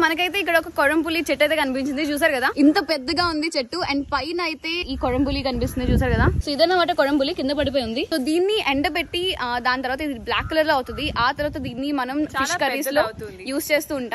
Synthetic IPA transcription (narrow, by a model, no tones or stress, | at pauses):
mɐnɐkɐjt̪̬e̞ːik̬ːɐɽɐɔkɐkɔɾɐmpulːit͡ʃeʈːɐjt̪eːkɐnip̬iɲt͡ʃind̪it͡ʃuːs̬aːɾukɐd̪aːint̪ɐpɛd̪ːɐɡaːund̪it͡ʃeʈːueɳɖpɐjnɐjt̪e̞ːiːkɔɾɐmpulːikɐnipist̪und̪it͡ʃuːs̬aːɾkɐd̪aːsoːid̪ɐnːɐʋaːʈɐkɔɾɐmbulːikind̪ɐpɐɽip̬oːjund̪isoːd̪iːnːiʔeɳɖɐpeʈːid̪aːnt̪ɐɾʋaːt̪ɐid̪iblaːkːulɐɾloːɐwut̪und̪iʔaːt̪ɐɾʋaːt̪ɐd̪iːnːimɐnɐmiʂkɐiːslo̞ːjuːst͡ʃe̞ːst̪uːɳʈaː